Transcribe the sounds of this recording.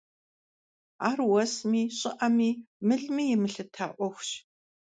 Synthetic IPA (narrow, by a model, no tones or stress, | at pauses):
aːrwɐsmiːɕʼɪʔɐmiː | mɨɮmiːjɪmɨɬɨtʰa̰ːʔʷɔxʷɕ